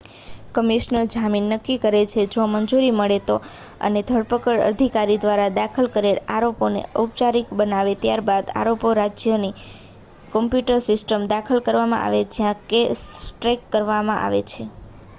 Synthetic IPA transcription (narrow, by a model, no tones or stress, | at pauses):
kəmiʃnəɾd͡ʒaminːəkːikəɾet͡ʃʰed͡ʒoməɲd͡ʒuɾiməɭet̪o | ə̰ned̪ʱəɽpəkəɭə̰d̪ʱikaɾid̪ʋaɾad̪akʰəlkəɾela̰ɾoponḛəp̚t͡ʃaɾikbənaʋet̪jaɾbad̪a̰ɾopoɾad͡ʒjəni | kɔmpjuʈəɾsɪsʈəmd̪akʰəlkəɾʋamã̰ʔa̰ʋed͡ʒjãkesʈɾekːəɾʋamã̰ʔa̰ʋḛt͡ʃʰe